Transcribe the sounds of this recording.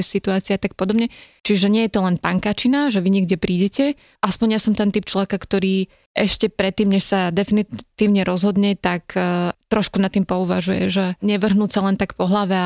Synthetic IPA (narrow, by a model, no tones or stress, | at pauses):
sit̪uaːt͡siaat̪ak̚pɔd̪ɔbɲɛt͡ʃiʒɛɲɪɛjɛt̪ɔlɛnpaŋkaːt͡ʃinaʒɛʋiɲɛɡɟɛpɾiːɟɛcɛ | ʔaspɔɲjasɔmt̪ɛnt̪ip̚t͡ʃlɔʋɛkakt̪ɔɾiː | ʔɛʃcɛpɾɛt̪ːiːmɲɛʃsad̪ɛfinit̪iːʊɲɛɾɔzɦɔd̪ɲɛt̪akːt̪ɾɔʃkunat̪ːiːmpɔuʋa̰ʒujɛ̰ʒɛɲɛʋr̩ɦnuːsalɛnt̪akpɔɦlaʋɛ